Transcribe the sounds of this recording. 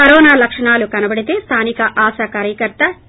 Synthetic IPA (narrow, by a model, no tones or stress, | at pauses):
ɐɾɔːnaːlɐkʂɐɳaːlukɐnɐbɐɽit̪e̞ːst̪ʰaːnikɐʔaːsɐkaːɾjɐkɐɾt̪ɐ